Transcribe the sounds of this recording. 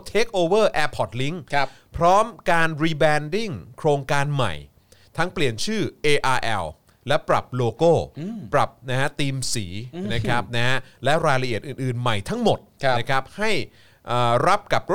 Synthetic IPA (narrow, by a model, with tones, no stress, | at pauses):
t͡ɕʰeː˦˥k̚ʔoː˧wɤː˥˩ʔɛː˧˥pʰːɔ˨˩t̪̚li˦˥ŋ˧ | pʰɾɔː˦˥mkaː˧nɾiː˧bɛː˧ndi˥˩ŋkʰɾoː˧ŋkaː˧nma̰˨˩j | t̪ʰa˦˥ŋpli˨˩ənt͡ɕʰɯː˥˩ʔeː˧ʔaː˧ʔɛ̰˧w | lɛ˦˥pɾa̰˨˩p̚loː˧koː˥˩pɾa˨˩p̚na˦˥˦t̪iː˧msiː˩˦na˦˥kʰa˦˥p̚na˦˥ɦlɛ˦˥ɾaː˧jla˧ʔi˨˩ət̪̚ʔɯː˨˩nʔɯː˨˩nma˨˩jt̪ʰa˦˥ŋmo˨˩t̪̚ʰna˦˥kʰa˦˥p̚ha˥˩j | ʔəː˨˩ɾa˦˥p̚ka˨˩p̚